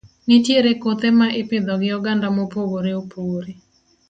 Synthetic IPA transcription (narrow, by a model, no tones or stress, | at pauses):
nɪtjeɾekot̪emaʔɪpɪd̪ɔɡɪjɔɡandamopoɡoɾeopʰoɾe